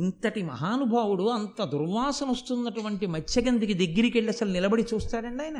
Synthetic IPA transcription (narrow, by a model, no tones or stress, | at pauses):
int̪ɐʈimɐ̰ɦaːnubʱaːwuɽuɐnt̪ɐd̪uɾʋaːsɐmost̪unːɐʈuʋɐɳʈimɐt͡ʃːɐɡɐnd̪ikid̪eɡːiɾikeɭːiɐsɐlunilɐbɐɽit͡ʃuːst̪aːɾɐɳɖiaːjɐnɐ